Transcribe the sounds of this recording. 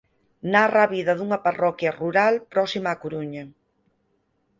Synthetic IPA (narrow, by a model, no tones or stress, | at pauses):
naraβiðɐðuŋɐparɔkjaruɾalpɾɔsimaːkuɾuɲe